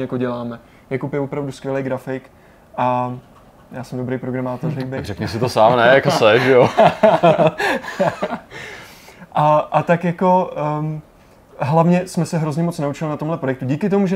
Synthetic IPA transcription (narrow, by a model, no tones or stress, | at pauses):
ɛjakoɟɛlaːmɛ | jakopjɛvo̞pɾavduskvjɛlɛjɡɾafɪk | ʔa | jaːsɛmdobɾejpɾo̞ɡɾamaːt̪orɛjbɛakrɛkɲɛsɪt̪osaːmnɛjakassɛʒɛjo | ʔaʔat̪akjako̞ | ɦlavɲɛsmɛsɛɦɾo̞zɲɛmo̞t͡snaut͡ʃɪlɪnat̪omɦlɛpɾojɛk̚t̪uɟiːkɪt̪o̞muʒɛ